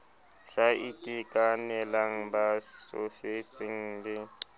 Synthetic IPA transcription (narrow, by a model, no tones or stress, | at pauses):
ɬaitʼikʼanɛlaŋ̩bao̰fet͡sʼɪŋ̩lɪ